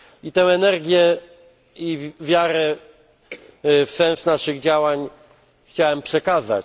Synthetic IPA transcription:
it̪ɛ̃w̃ɛnɛɾɡʲjɛ | ivʲjaɾɛ | fsɛ̃ñsnaʂɘɣd͡ʑawaɲ | xt͡ɕawɛmpʂɛkaza̰t͡ɕ

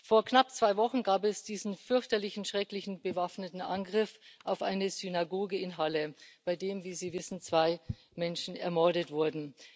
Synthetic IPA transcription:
foːɐknap̚t͡sv̥aɪvɔχn̩ɡaːpɛsd̥iːzn̩fʏɐçtɐlɪçn̩ʃʁ̥ɛklɪçn̩bəvafnətn̩ʔa̰nɡʁɪfʔaʊfʔa̰ɪnəzynaɡoːɡəɪnɦaləb̥aɪdeːmviːziːvɪsn̩t͡sv̥aɪ | mɛnʃn̩ɛ̰ɐmɔɐdətv̥ʊɐdn̩

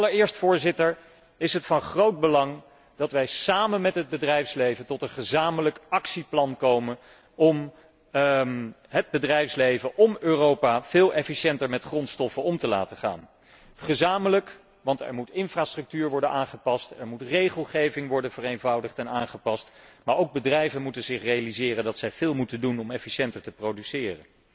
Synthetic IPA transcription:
ɑlˠəɹɪːɹstfʊːɹzɪtəɹ | ɪsɦətfɑnχrowd̚bəlɑŋ | d̥ɑtʋɛjsaːmənmɛtɦəd̚bədrɛjfslejvəntɔtənχəzaːmələkɑksiplɑnkowmən | ɔm | ɦəd̚bədrɛjfslejvəʔɔmøːrowpaːv̥ɪːlˠʔɛfiʃɛntəɹmɛtχrɔntstɔfənɔmtəla̰ːtəχa̰ːn | χəzaːmələk | ʋɑntɛ̰ɹmutɪnfraːstrɵk̚tyːɹʋɔɹdənaːnχəpɑstɛɹmutrejχəlˠχejvɪŋʋɔɹdənv̥ərejnvɑwdəχtɛnaːnχəpɑstmaːɹowɡ̚bədrɛjvənmutənzɪχrejalizɪːrəndɑtsɛjv̥ɪːlˠmutəndunɔmɛfiʃɛntəɹtəprowdysɪːrən

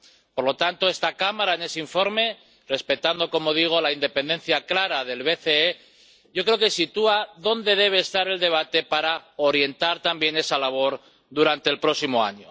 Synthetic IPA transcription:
po̞ɾlo̞t̪ant̪o̞e̞st̪akamaɾaene̞seiɱfo̞ɾme̞ | re̞spe̞t̪and̪o̞ko̞mo̞ð̞iɣ̞o̞laind̪e̞pe̞nd̪en̟θjaklaɾaðe̞lβe̞θee | ʝo̞kɾeoke̞sit̪uaðo̞nd̪e̞ð̞e̞β̞e̞ːst̪aɾe̞ld̪e̞β̞at̪e̞paɾao̞ɾje̞nt̪aɾt̪ambje̞ne̞salaβo̞ɾ | ðuɾant̪elpɾo̞simo̞a̰ɲo

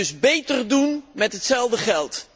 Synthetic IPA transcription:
ɵzbejtərdunmɛtɦətsɛlˠdəχɛlˠt

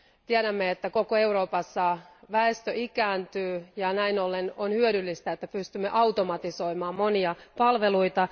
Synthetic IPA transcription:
t̪iɛɾæmːeet̪ːæko̞koe̞uɾo̞ːpɑsːɑʋæest̪øʔikæːnt̪yːjɑnæinolːenonhyøɾylːist̪æet̪ːæpyst̪ymːḛʔɑut̪omɑt̪iso̞imɑːmmo̞niɑpɑlʋe̞luit̪ɑ

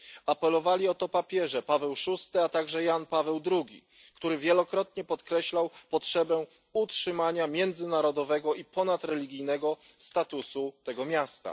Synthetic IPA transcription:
apɛlɔvalʲiɔt̪ɔpapʲjɛʐɛpavɛwʂust̪ɘat̪aɡʐɛjanpavɛwd̪ɾuɡʲḭ | kt̪uɾɘvʲjɛlɔkɾɔt̪ɲɛpɔt̪kɾɛɕlawpɔtʂɛbɛ | utʂɘmaɲamʲjɛnd̪zɘnaɾɔd̪ɔvɛɡɔipɔnat̪ɾɛlʲiɡʲijnɛɡɔst̪at̪usut̪ɛɡɔmʲjast̪a̰

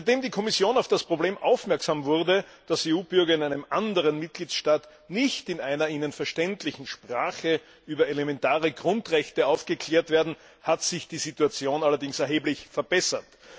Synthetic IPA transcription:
ntd̥eːmdiːkʰɔmɪsjoːnaʊfd̥aspʁ̥obleːmʔa̰ʊfmɛɐksaːmvʊʁdəd̥aseːuːbʏɐɡɐɪnæɪnəmʔandəʁənmɪt̚ɡ̥liːtʃtaːt | nɪçtɪnaɪnɐiːnənfɛɐʃtɛntlɪçn̩ʃpʁ̥aːχə | ʔyːbɐelemɛntaːʁəɡʁʊntʁɛçtəaʊfɡ̥əkʰl̥eːɐtv̥eːɐdn̩ | hatz̥ɪçd̥iːzituat͡sjoːnalɐdɪŋsɛɐɦeːblɪçfɛɐbɛsɐt

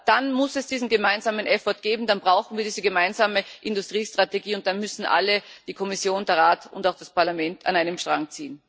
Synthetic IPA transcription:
d̥anmʊsɛsd̥iːzn̩ɡəmaɪnzaːmənʔɛfɔɐt̚ɡ̥eːbm̩d̥anbʁaʊxn̩viːɐiːzəɡəmaɪnzaːməʔɪndʊstʁ̥iːstʁ̥ateɡiːʊnt̚d̥anmʏsn̩ʔa̰ləd̥iːkʰɔmɪsjoːndɛɐʁaːtʰʊ̰ntaʊxd̥aspaɐlamɛntʰa̰naɪnəmʃtʁ̥aŋkt͡siːən

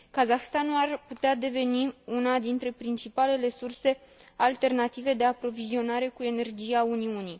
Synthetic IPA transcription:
kazaxst̪anuarput̪ead̪e̞ve̞niunad̪int̪ɾe̞pɾint͡ʃipale̞le̞surse̞ | alt̪e̞rnat̪ive̞d̪e̞apɾo̞vizio̞naɾe̞kue̞ne̞rd͡ʒiauniuni

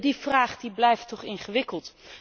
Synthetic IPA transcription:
div̥raːχdiblɛjftɔχɪŋχəʋɪkəlˠt

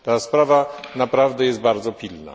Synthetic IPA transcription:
t̪aspɾavanapɾavd̪ɛjɛst̪̚baɾd̪zɔpʲilna̰

